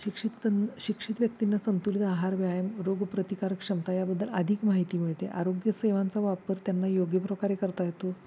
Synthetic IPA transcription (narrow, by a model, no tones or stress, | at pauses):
ɕikʂit̪əɕikʂit̪ʋjək̚t̪inːasənt̪ulit̪aɦaɾʋjajəmɾoɡpɾət̪ikaɾəkʂəmt̪ajabəd̪ʱːələ̰d̪ʱikmaɦit̪iːm̤iɭt̪eʔa̰ɾoɡjəseʋãnt͡saʋapəɾt̪janːajoɡjəpɾəkaɾekəɾt̪aɦet̪o